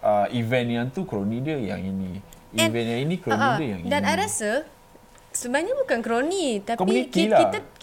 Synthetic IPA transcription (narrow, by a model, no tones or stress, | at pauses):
aivɛnjãŋt̪ukɾonidiəja̰ŋinĩ | iɛ̃nvɛnjãŋinikɾoənidiəja̰ŋidanajɾasə | səbaɲabukankɾonit̪akɔmiunikilah̪a